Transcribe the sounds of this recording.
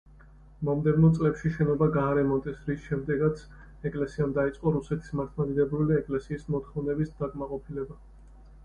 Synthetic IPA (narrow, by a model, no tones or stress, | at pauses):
mɔmd̪ɛvnɔt̪sʼlɛpʃiʃɛnɔbaɡaːɾɛmɔt̪ʼɛsɾisʃɛmd̪ɛɡat̪sʰ | ɛkʼlɛsiamd̪ait̪sʼqʼɔɾusɛt̪ʰi̥smat̪ʰmad̪id̪ɛbɾuliɛkʼlɛsiːsmɔt̪ʰχɔvnɛbisd̪̥akʼmaqʼɔpʰilɛba